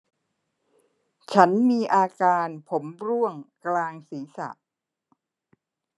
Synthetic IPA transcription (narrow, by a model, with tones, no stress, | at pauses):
t͡ɕʰa˦˥nmiː˧ʔaː˧kaː˧npʰo˩˦mɾu˥˩əŋklaː˧ŋsiː˩˦sa̰˨˩ʔ